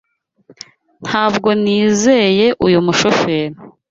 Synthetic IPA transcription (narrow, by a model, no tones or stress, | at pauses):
n̥haːbɡo̞niːze̞je̞ʔujumuʃofeːɾi